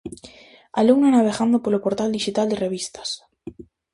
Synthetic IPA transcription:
aluŋnanaβ̞e̞ɣand̪opolopoɾt̪ald̪iʃit̪ald̪ereβ̞ist̪ḁs

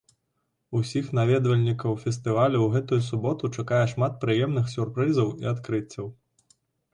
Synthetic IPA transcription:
usʲixn̪avʲɛd̪vɐlʲnʲikɐwfʲɛst̪ɨvalʲuwɣɛt̪ujusubɔt̪ut͡ʂakajɛʂmat̪̚pɾɨjɛmnɨxsʲurpɾɨzɐwḭat̪kɾɨt͡sʲːɐw

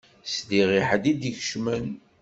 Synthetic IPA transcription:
sdiʁiħd̪id̪içʃmən

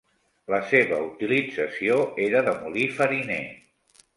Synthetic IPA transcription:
ləseβəut̪ilid͡zəsioeɾəðəmulifəɾinḛ

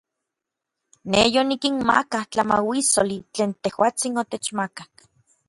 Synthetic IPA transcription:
nejonikinma̰kaht͡ɬama̰wisolit͡ɬeːnt̪ehwaːt͡sinot̪et͡ʃmakak

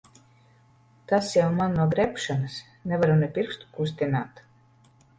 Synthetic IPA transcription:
t̪asjawmanːuɔɡɾɛpʃanɨs | nɛvaɾunɛpʲiɾst̪u̥kus̬t̪ʲinaːt̪

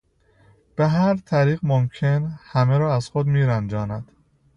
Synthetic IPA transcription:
b̥e̞ɦæɾt̪ʰæɾiːɣmomcʰe̞nhæmeɾɒːæzxod̪miːɾænd͡ʒɒːnæd̪̥

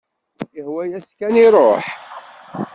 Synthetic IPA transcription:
jəhwæjæskæniɾˤoħ

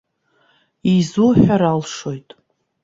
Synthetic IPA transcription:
izuħaɾalʂo̞jtʼ

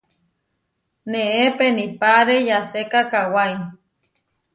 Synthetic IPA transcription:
neepenipaɾejasekakawai

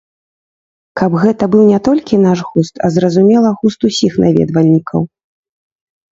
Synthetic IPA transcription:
kɐbɣɛt̪ɐbɨwnʲɛt̪ɔlʲkʲinaʂɣust̪ʰɐ̰zɾɐzumʲɛlˠɐɣust̪usʲixnʔavʲɛ̰d̪vɐlʲnʲikʰɐw

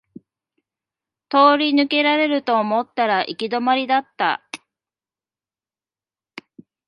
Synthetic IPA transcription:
t̪o̞ːɾʲinɯ̟ke̞ɾaɾe̞ɾɯ̟t̪o̞ːmo̞t̪ːaɾaʔikʲid̪o̞maɾʲid̪at̪ːa̰

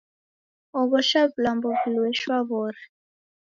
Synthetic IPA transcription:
ɔβɔʃablambɔbulwɛʃwaβɔːɾɛ

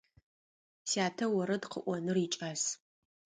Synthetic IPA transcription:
sjaːtʰɐwɐɾɐdqʰə̰ʔʷɔnɨrit͡ʃʼas

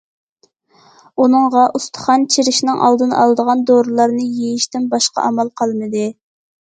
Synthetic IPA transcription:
unɨŋʁɑʔust̪ʰə̥χɑnt͡ʃʰiɾɪʃnɪŋʔɑ̰lˠd̪ɨnɑ̰lˠd̪əʁɑnd̪oɾɨlˠɑɾnɨjejiʃt̪ɪnbɑʃqɑ̰ʔɑmɑlˠqʰɑlˠmɨd̪ɨ

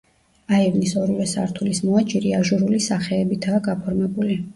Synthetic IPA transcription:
aivnisɔɾivɛsa̰ɾt̪ʰulismɔat͡ʃʼiɾiaʒuɾulisaχɛːbit̪ʰaːɡapʰɔɾmɛbuli

